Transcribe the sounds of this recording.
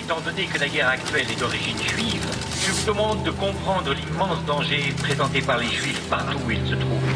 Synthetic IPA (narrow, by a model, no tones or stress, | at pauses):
et̪ɑ̃d̪ɔnekəlaɡɛʁakt̪ɥɛlɛd̪ɔʁiʒinʒɥiv | ʒəvud̪əmɑ̃d̪ːəkɔ̃pχɑ̃d̪ʁəlimɑ̃sd̪ɑ̃ʒepχezɑ̃t̪epaʁleʒɥifpaʁt̪uilsət̪χuːv